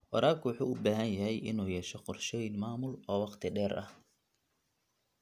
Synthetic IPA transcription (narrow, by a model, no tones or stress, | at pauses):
wɑ̰ɾaːlkʰʊwɑħuːʊbaːɦɐnjɐɦɛjʔɪ̰nuːjɛːʃɔqɔrʃɛjnmaːmʊlɔːwɑqt̪ʰɪɖɛːrʔɐ̰h